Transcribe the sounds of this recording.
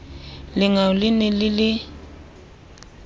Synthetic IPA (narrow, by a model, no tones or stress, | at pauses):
lɪŋaʊlɪnɛlɪlɪ